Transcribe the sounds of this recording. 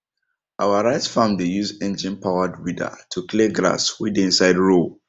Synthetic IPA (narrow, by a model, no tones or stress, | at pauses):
ʔawaɹaɪtfãmdejuzɛ̃nd͡ʒĩnpʰawadwidə̰tʰukʰliɡɹa̰swidĩnsaɪdɹo